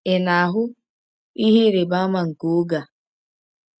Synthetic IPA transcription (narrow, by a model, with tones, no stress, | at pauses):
ɪ˨na˨a˨ɦʊ˦ | i˦ɦi˦ɾɪ˨ba˦ma˦˨ŋ̩˨ko˨˦ɡa˨